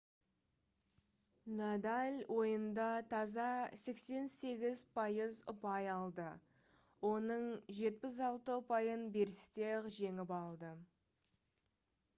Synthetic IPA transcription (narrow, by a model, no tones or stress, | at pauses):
nad̪alʲwʔo̞jənd̪ɑt̪ʰɑzɑse̞kse̞nse̞ɡʲɪzpʰɑjəzʊpɑjɑlˠd̪ə | wo̞nəɴʒe̞t̪̚pɪs̬ɑlˠt̪əʊpɑjənbe̞ɾɪst̪eqʒe̞ŋɪpɑlˠd̪ə